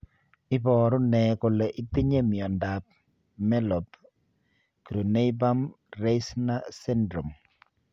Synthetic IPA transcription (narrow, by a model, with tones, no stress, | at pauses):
ɪ˦bɔː˨ɾʊ˦nɛ˨ko˨le˨ʔɪ˦t̪ɪ˦ɲe˦mɪ˨ɔ˨nda˨p̚ | mɛ˦lɔ˨p | kɾu˨ne˦jba˦m | ɾe˦sna˦sɛ˦ndɾo˨m